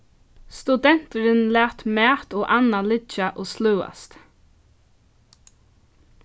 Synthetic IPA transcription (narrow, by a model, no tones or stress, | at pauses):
st̪ʉd̪ɛn̥t̪əɾɪnlæːt̪mæːt̪ɔːʔanːalɪt͡ʃaʔɔːslʉːa̰st̪